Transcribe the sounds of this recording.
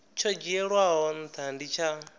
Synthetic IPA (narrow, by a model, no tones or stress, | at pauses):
t͡ʃʰɔd͡ʒɛɺwaɦɔn̩t̪ʰandit͡ʃʰa